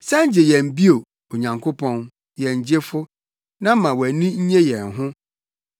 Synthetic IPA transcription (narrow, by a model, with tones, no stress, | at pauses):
sɛ˦ɲ̩˦d͡ʑɪ˨jɛ̃˨m̩˨bi˦o˨ | o˨ɲã˨ŋkʰʊ˦pʰɔ̃˦n | jɛ̃˨ɲ˨d͡ʑe˦fʊ˦ | nã˦mã˨wæ˨nĩ˦ɲ̩˦ɲɛ̃˦jɛ̃˨nɦʊ̃˦